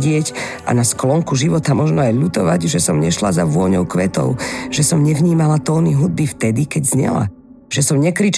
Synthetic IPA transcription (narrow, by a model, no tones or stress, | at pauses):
ɟɪɛc | a̰nasklɔŋkuʒiʋɔt̪amɔʒnɔajʎut̪ɔʋa̰ɟʒɛsɔmɲɛʃlazaʋʊɔɲɔʊkʋɛt̪ɔ̰ʊʒ̥ɛsɔmɲɛvɲiːmalat̪ɔːniɦud̪̚bift̪ɛd̪ikɛɟzɲɛ̰la̰ | ʒ̥ɛsɔmɲɛkɾiːt͡ʃ